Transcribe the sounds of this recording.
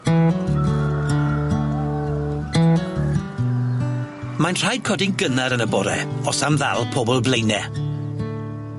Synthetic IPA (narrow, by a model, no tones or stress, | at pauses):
manr̥ajd̚kʰɔdɪŋɡənaɾənəbɔɾɛ̰ɔsamða̰lˠpʰoːbɔlˠblejnɛ